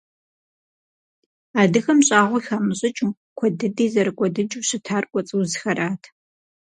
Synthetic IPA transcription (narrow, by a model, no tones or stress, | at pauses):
aːdɨxɐmɕʼaːʁʷʊxaːmɨɕʼɪt͡ʃʼ | kʷʰɔdɨdiːzɐɾɨkʷʼɔdɨd͡ʒʼuɕɪtʰaːrkʷʼɔt͡sʼɨwzxɐɾaːtʰ